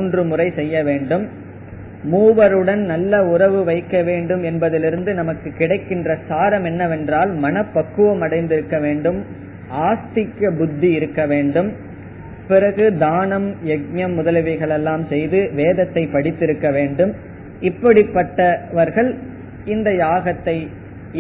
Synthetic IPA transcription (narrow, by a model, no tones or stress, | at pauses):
ndrɯmʊrɐɪsɛjːɐʋeːɳɖɯmː | uːʋɐɾɯɽɐnnɐlːɐʊrɐʋɯʋɐɪkːɐʋeːɳɖɯmɛnbɐðɪlɪɾɯnd̪ɯnɐmɐkːɯkːɪɽɐɪkːɪndrɐsaːɾɐmɛnːɐʋɛndraːlmɐnɐpːɐkːɯʋɐmɐɽɐɪnd̪ɪɾɯkːɐʋeːɳɖɯm | ʔaːst̪ɪkːɐbʊd̪ːiɪɾɯkːɐʋeːɳɖɯm | pɪɾɐɣɯd̪aːnɐmjɛɡ̚ɲɐmːʊðɐlɐʋɪɣɐɭɛlːaːmsɛjðɯʋeːðɐt̪ːɐɪpːɐɽɪt̪ːɪɾɯkːɐʋeːɳɖɯm | ɪpːɐɽɪpːɐʈːɐʋɐɾɣɐɭ | ɪnd̪ɐjaːɣɐt̪ːɐɪ